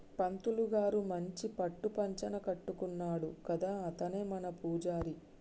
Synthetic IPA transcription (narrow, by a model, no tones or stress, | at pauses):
pɐnt̪uluɡaːɾumɐɲt͡ʃipɐʈːupɐɲt͡ʃɐnɐkɐʈːukunːaːɽukɐd̪aːɐt̪ɐne̞ːmɐnɐpuːd͡ʒaːɾi